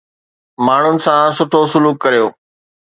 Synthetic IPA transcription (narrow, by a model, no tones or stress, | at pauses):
maːɳ̤ʊnɪ̆sãsʊʈʰosʊluːkːɐɾijoː